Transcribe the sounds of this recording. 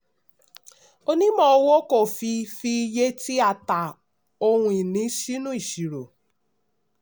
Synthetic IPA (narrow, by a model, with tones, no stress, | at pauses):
o˦nĩ˦mɔ̃˦o˧wo˦ko˦˨fi˧fi˧˦je˦ti˦a˦˨ta˨ | o˧hũ˦i˨nĩ˨˦ʃi˦nũ˦i˦˨ʃi˨ɾo˨